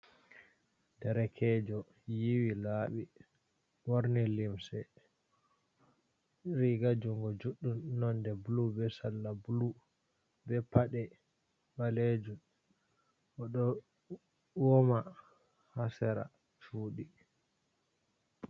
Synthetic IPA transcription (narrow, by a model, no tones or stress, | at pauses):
dɛɾɛkʰɛd͡ʒɔ | jiwilaːɓi | wɔɾnilimsɛ | ɾiɡad͡ʒuŋɡɔd͡ʒuɗːumnːɔndɛbulubɛsalːabulu | bɛpaɗɛ | baled͡ʒum | ʔɔɗɔ | wɔma | hasɛɾa̰ | t͡ʃuːɗi